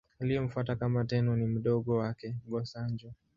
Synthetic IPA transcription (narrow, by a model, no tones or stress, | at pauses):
alijɔm̩fwatakamatɛnɔnim̩ɗɔɠɔwakɛɡɔsaɲd͡ʒɔ